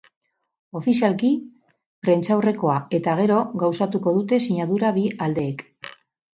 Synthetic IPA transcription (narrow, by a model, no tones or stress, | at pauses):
o̞fisialki | pɾe̞nt͡ʃawre̞ko̞ae̞t̪aɣ̞e̞ɾo̞ɣawsat̪uko̞ðut̪e̞siɲaðuɾaβiald̪e̞ːk